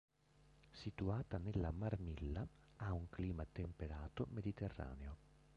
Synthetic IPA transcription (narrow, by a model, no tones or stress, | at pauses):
sit̪uaːt̪anelːamarmilːaauŋkliːmat̪empeɾaːt̪omed̪it̪erːa̰ːneo